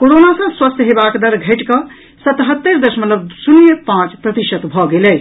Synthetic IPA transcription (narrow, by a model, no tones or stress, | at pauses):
koɾonasə̃swəst̪ʰɦebakd̪əɾɡʱəʈkə | sət̪ɦət̪ːəɾd̪əsmət̪ləbsunjəpãt͡ʃpɾət̪iʃət̪bʱɔɡelɛ